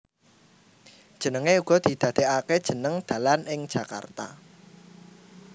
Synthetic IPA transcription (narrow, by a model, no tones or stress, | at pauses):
d̥ʒ̥ə̤nəŋeuɡ̥ɔ̤d̪̥i̤d̪̥ä̤d̪̥e̤ʔaked̥ʒ̥ə̤nəŋd̪̥a̤lanɪŋ̥ʒ̥a̤ka̰rt̪a̰